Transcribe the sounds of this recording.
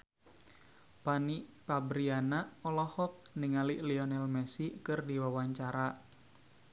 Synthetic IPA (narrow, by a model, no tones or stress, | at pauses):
paniʔpabɾianaʔɔlɔhɔk̚niŋaliʔliɔnɛlmɛsikɨrdiwawaɲt͡ʃaɾa